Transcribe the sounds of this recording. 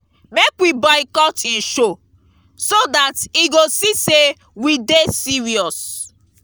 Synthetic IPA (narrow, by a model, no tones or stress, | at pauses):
mekwibaɪkɔtĩnʃo | sodatiɡosise | widesiɹiɔs